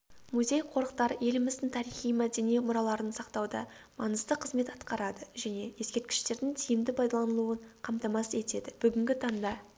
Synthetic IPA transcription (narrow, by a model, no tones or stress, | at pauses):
muzʲe̞jqʰo̞ɾəqt̪ɑɾje̞lɪmɪzd̪ɪŋt̪ʰɑɾijχijmæd̪e̞nijmʊɾɑlˠɑɾənsɑqt̪ɑwd̪ɑ̰ | mɑnəst̪əqʰəzme̞t̪ɑt̪qɑɾɑd̪əʒæne̞je̞skʲe̞ɾt̪̚kʲɪ̥ʃt̪e̞ɾd̪ɪŋt̪ʰijɪmd̪ɪpʰɑjd̪ɑlˠɑnəlˠuəɴqʰɑmt̪ɑmɑse̞t̪e̞d̪ɪb̥ʏɡʲɪŋɡʲɪt̪ʰɑŋd̪ɑ